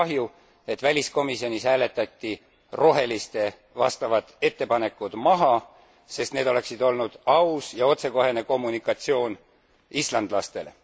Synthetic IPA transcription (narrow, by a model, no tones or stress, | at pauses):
ɑɦju | e̞t̪ːˑvælʲisko̞misio̞nʲishæːle̞t̪ːˑɑt̪ʲːi | ro̞ɦe̞list̪e̞ | vɑ̰st̪ɑvɑd̪̥e̞t̪ːe̞pɑne̞kːˑud̪̥mɑɦɑ | se̞st̪ne̞ːd̪o̞le̞ksid̪̥o̞lnud̪̥ɑusjɑo̞t̪se̞ko̞ɦe̞ne̞ko̞mːunikːˑɑt̪sio̞ːn | islɑnd̪lɑst̪e̞̰le